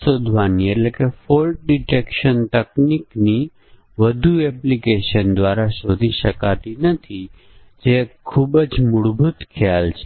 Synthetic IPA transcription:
od̪ʱʋanieʈlekefolʈ̚ɖiʈekʃənt̪əknikni | ʋəd̪ʱueplikeʃənd̪ʋaɾaʃod̪ʱiʃəkat̪inət̪ʰi | d͡ʒekʰubəd͡ʒmʊɽbʱut̪kʰjalt͡ʃʰe

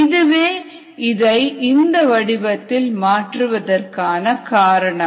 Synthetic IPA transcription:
ɪðɯʋeː | ɪðɐɪɪnd̪ɐʋɐɽɪbɐt̪ːɪlmaːʈrɯʋɐðɐrkaːnɐkaːɾɐɳɐ

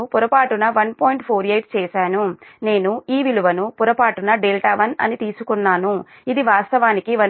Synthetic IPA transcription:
puɾɐpaːʈunɐʋɐnpoːjiɳʈpʰoːɾijɐjʈ̚t͡ʃɛːʃaːnune̞ːnuiːʋiluʋɐnupuɾɐpaːʈunɐɖeːlʈaːʋɐnɐ̰nit̪iːsukunːaːnu | id̪iʋaːst̪ɐʋaːnikiʋɐn

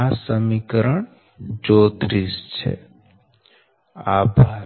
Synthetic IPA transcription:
asəmikəɾəɳ | d͡ʒoːt̪ɾist͡ʃʰḛ | abʱa

